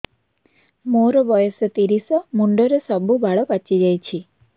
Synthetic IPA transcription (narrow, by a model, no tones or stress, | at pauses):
moɾɔbɔjɔsɔt̪iɾisɔmuɳɖɔɾesɔbubʱaɭɔpat͡ʃid͡ʒajt͡ʃʰi